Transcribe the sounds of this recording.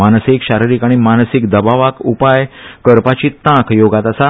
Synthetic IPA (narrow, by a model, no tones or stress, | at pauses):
anəsikɕaɾiɾiːkaɽ̃imansikd̪əbaʋakupajkəɾpat͡ɕiːt̪ãkʰjoɡat̪asa